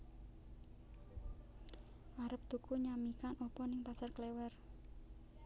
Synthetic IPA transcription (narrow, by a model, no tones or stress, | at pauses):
ʔaɾəp̚t̪ukuɲamikanɔpɔnɪŋpasarklewɛr